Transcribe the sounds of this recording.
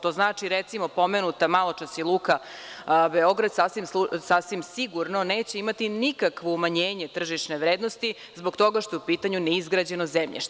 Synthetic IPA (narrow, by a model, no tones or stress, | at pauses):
t̪oːznaːt͡ʂiɾet̪simo̞po̞menut̪amalˠot͡ʂasilˠuːka | beo̞ɡɾad̪saːsʋimsusasʋimsiɡuɾno̞neːt͡ɕeimat̪inikakʋoumaɲeːɲe̞t̪r̩ʒiʃneʋɾeːd̪nost̪i | zbo̞kt̪o̞ɡaʃt̪ojupiːt̪aɲuneizɡɾad͡ʑe̞nozemʎḛʃt̪